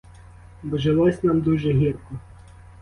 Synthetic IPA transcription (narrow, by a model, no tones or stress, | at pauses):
bɔʒelˠɔsʲnamd̪uʒɛɦirkɔ